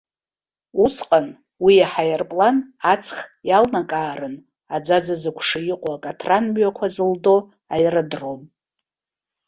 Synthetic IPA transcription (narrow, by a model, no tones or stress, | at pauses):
usqʼan | wiaħajarpʼlanat͡sʰχjalnakʼaːɾɨn | ad͡zad͡zazɨkʷʰʂɨjɪqʷʼoakʼatʰranmɥakʷʰazɨldo | ajradrom